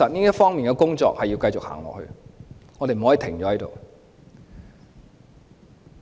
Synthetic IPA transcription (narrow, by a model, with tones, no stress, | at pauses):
ɐ˨t̚niː˥jɐ˥t̚fɔː˥ŋmiː˨nkɛ˧˥kʊ˥ŋt͡sɔ̰ː˧k̚hɐ˨jːi˧wkɐ˧jt͡sʊ˨k̚ha̰ː˨˩ŋlɔ̰˨hɵ̰˧ŋɔː˨˧ɾe˨jm̩˨˩hɔ˨˥i˨˧t̪ʰɪ˨˩ŋt͡ʃɔː˨˥hɐ˨˥jt̪o̰˨w